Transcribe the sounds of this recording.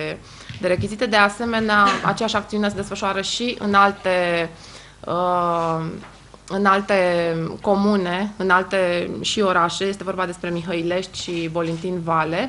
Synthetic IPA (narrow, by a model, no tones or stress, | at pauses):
d̪eɾe̞k̬ʲizit̪ed̪e̞ase̞me̞neaa̰t͡ʃejaʃakt̪siune̞s̬ed̪e̞sfəʃoaɾəʃiʔɨ̰nalt̪e̞ | ə | ɨnalt̪e̞ko̞mune̞ɨnalt̪e̞ʃio̞ɾaʃe̞je̞st̪e̞vo̞rbad̪e̞spɾe̞miɦəile̞ʃt̪ʲʃibo̞lint̪invale̞